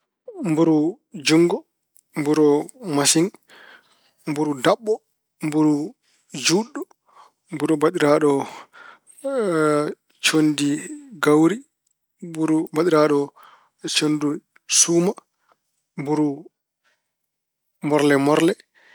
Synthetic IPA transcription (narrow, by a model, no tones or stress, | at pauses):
mbuɾu | d͡ʒuŋɡɔ | mbuɾɔmasiŋ | mbuɾudaɓːɔ | mbuɾu | d͡ʒuɗːɔ | mbuɾubaɗiɾaɗɔ | t͡ʃondiɡawɾi | buɾubaɗiɾaɗɔ | t͡ʃondu | suːma | mbuɾu | mɔɾlɛmɔɾlɛ